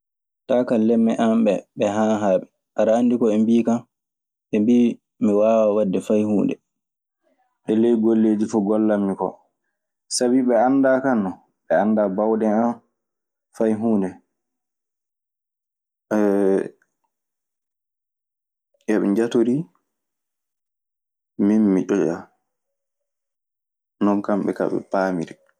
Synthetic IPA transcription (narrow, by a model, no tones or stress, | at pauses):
taːkalːɛmːɛʔambɛɓɛɦaɦaːɓɛ | ʔaɾaːndikɔɛmbiːkam | ɓɛmbiː | miwaːwawadːɛfajhuːndɛ | ɓɛlejɡolːeːd͡ʒifɔɡɔlːamːikɔ̰ | sabiɓɛanːdakanːɔ | ɓɛandabawɗɛa | fajɦuːndɛ | ɛ | ʔɛɓɛ̰ɲd͡ʒatoɾi | minːiʔɔd͡ʒa̰ | nɔnkamɓɛ̰ka̰ɓɛ̰paːmiɾi